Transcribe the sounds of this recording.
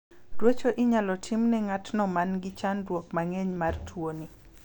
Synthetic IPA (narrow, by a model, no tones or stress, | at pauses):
dwet͡ʃoʔɪɲalɔtʰimnɛŋatnɔmanɡɪt͡ʃandwɔkmaŋeɲmartʰwoni